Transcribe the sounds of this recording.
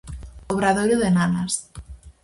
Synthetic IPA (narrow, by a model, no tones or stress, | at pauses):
oβɾaðojɾoðenanas